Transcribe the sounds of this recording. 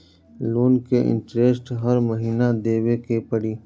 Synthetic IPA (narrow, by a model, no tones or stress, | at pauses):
luːnkeʔɪ̰̃ɳʈɾeːsʈɦɐɾmɐɦiːnad̪eːwekepɐɽiː